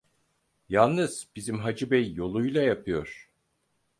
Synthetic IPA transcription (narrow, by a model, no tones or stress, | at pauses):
jalˠnɯz̥bizimɦad͡ʒɯbɛjːo̞lˠujlˠajapʰɯjo̞ɾ̥